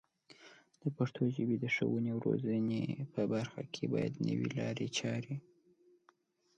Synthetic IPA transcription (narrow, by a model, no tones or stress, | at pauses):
d̪̥əpaɾt̪ʰoʒəbed̪əʂəwənewɾozənepəbaɾxakʰebɑjad̪nə̰wilɑɾet͡ʃɑɾi